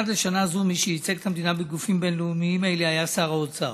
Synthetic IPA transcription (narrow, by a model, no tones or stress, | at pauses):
adaʃanazumiʃehit͡seɡ̚t̪ʰamd̪inabeɡufimbe̞nleumiimaeleajasaʁaot͡sa̰